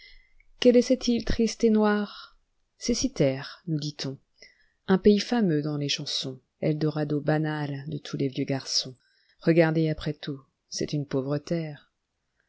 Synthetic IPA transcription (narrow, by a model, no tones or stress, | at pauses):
kɛlɛsɛt̪ʰilt̪χist̪enwaʁ | sɛsit̪ɛʁnud̪it̪ʰɔ̃ | ɛ̃peifamød̪ɑ̃leʃɑ̃sɔ̃ | ɛ̰ld̪əʁad̪obanald̪ət̪ʰulevjøɡaʁsɔ̃ | ʁəɡaʁd̪eapχɛt̪u | sɛt̪ynpovʁət̪ɛːʁ